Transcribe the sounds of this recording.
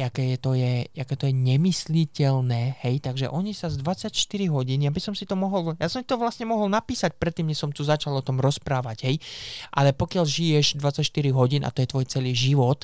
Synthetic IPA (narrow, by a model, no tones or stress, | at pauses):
jakɛːjɛt̪ɔjɛjakɛːt̪ɔjɛɲɛmislicɛlnɛːhɛjt̪aɡʒɛ̰ʔɔɲisazd̪ʋat͡sːacʃt̪iɾiɦɔɟiːnjabisɔmsit̪ɔmɔɦɔljasɔmt̪it̪ɔʋlasɲɛmɔɦɔlnapiːsac̚pɾɛt̪ːiːmɲɛsɔmt̪uzat͡ʃalɔt̪ɔmɾɔspɾaːʋaɟɦɛjʔalɛpɔkɪalʒijɛʒd̪ʋat͡sːacʃt̪iɾiɦɔɟiːnʔa̰t̪ɔjɛt̪ʋɔjt͡sɛliːʒiʋɔt̪